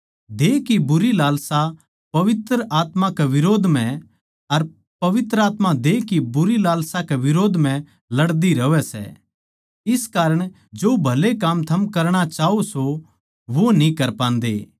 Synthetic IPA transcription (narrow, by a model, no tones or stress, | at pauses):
d̪eːkibʊɾilaːlsa | pɐʋɪt̪ɾəʔaːt̪mãkeʋɪɾoːd̪ʱmɛ̃ | ɐɾ | pɐʋɪt̪ɾəaːt̪mãd̪eːkibʊɾilaːlsakeʋɪɾoːd̪ʱm̤ɛ̃ | lɐɽd̪iɾɐʋɛsɛ̰ | ɪskaːɾəɽ̃ | d͡ʒoːbʱɐlekamt̪ʰɐmkɐɾɽ̃at͡ʃaːoso | ʋonĩkɐɾpãːnd̪ḛː